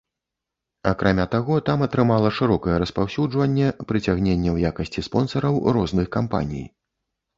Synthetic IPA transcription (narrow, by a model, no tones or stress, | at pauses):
akɾʔamʲat̪aɣɔt̪amɐt̪ɾɨmalˠɐʂɨɾɔkɐjɛɾɐspawsʲud͡ʐvɐnʲːɛpɾɨt͡sʲaɣnʲenʲːɛwjakɐsʲt͡sʲispɔnsɐɾɐwɾɔznɨxkampa̰nʲḭj